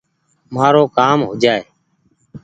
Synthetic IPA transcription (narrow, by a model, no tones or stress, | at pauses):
maːɾoːkaːmɦʊd͡ʒʱaːeː